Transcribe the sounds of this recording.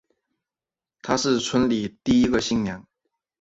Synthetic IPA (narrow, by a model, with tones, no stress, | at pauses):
t̪ʰa˥ʂɻ̩˥˩t͡sʰwə˥nli˨˩t̪i˥˩i˥ɡə˧ɕi˥˩ŋnjɑ˧˥˦ŋ